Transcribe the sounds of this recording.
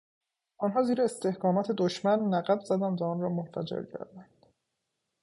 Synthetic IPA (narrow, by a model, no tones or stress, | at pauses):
ʔɒnɦɒːziːɾeːst̪e̞hkɒːmɒːt̪ʰe̞d̪oʃmænːæɣæbzæd̪ænd̪væɔːnrɒːmonfæd͡ʒḛɾcʰæ̰ɾd̪ænd̪̥